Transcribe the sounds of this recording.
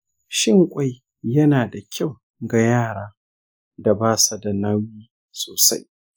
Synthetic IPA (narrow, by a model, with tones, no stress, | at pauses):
ʃɪ˦ŋkʷʼa˦j | jɐ˦naː˨da˨kʲʰa˦˨w | ɡa˨jaː˦˨ɾaː˦ | da˨baː˦˨sa˨da˨na˦wjiː˦ | soː˨sa̰˦j